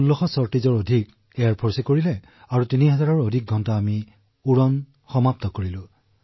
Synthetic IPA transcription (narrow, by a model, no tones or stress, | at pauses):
ulːɔxɔsɔɹtizɔɹodʱik | eaɹpʰɔɹsɛkoɹilɛ | aɹutiniɦɛzaɹɔɹodʱik̚ɡʱɔntaːmi | uɹɔn | xɔmap̚tɔkoɹilʊ̃